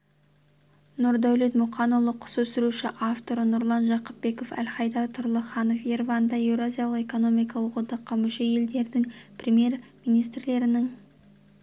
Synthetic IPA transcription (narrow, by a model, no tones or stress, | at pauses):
nʊɾd̪æwle̞t̪mʊqʰɑnulˠəqʰʊ̥sɵsɪɾuʃɪʔaft̪o̞ɾənʊɾlˠɑnʒɑqəpbe̞ko̞fæ̰lχɑjd̪ɑt̪ʰʊɾlˠəχɑno̞fjervɑnd̪ɑje̞wɾoazʲijalˠəqe̞ko̞no̞mijkɑlˠəqwo̞d̪ɑqːɑmʏʃe̞je̞ld̪e̞ɾd̪ɪŋpʰrʲemʲje̞ɾmijnijst̪ɾle̞ɾɪnɪŋ